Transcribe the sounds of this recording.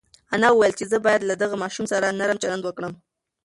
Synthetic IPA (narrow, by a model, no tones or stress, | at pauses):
anawəwajəlt͡ʃezəbɑjad̪lad̪aɣamɑʃumsaɾanaɾəmt͡ʃaland̪wəkɽəm